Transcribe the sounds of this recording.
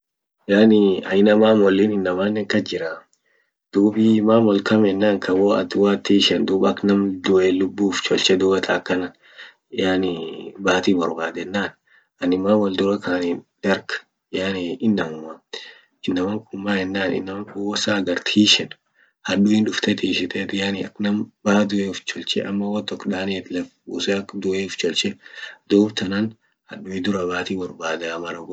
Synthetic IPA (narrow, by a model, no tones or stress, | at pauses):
jaːnɪɐɪnɐmaːmɔlːiːnɪnːɐmaːnːɛŋkɐd͡ʒɪɾa | d̪̥uːbɪmaːmɔlkɐmɛnːaːŋkʰɐwɔɐ̰t̪waːt̪ːiːʃɛnd̪uːbɐknɐmd̪ʊʔeːlʊbːuːft͡ʃɔlt͡ʃɛd̪uːbɐt̪ʰaːkːɐnɐn | janɪbaːt̪iːbɐɾbaːd̪ɛnːaːn | ʔɐnɪmaːwɐld̪ʊɾɐkaːniːnd̪̥ɐɾɡ | jaːniɪnːɐmʊma | ɪnːɐmɐŋkʼʊmːaːhɛnːaːnɪ̰nːɐmɐŋkʼʊwɔsaːɡɐɾt̪ʰiːʃɛn | hɐɗʊɪnᶑʊft̪ɛt̪iːʃɪt̪ɛt̪jaːnɪɐknɐmbahɐd̪ʊeʊft͡ʃɔlt͡ʃɛ̰ʔɐmːɐwɐt̪ɔkːᶑaːnit̪lɐfusɛɐkd̪ʊeʊft͡ʃɔlt͡ʃɛd̪uːbt̪ɐnɐn | hɐᶑʊɪd̪ʊɾɐbaːt̪iːbɐɾbaːd̪ɐmɐɾɐɡ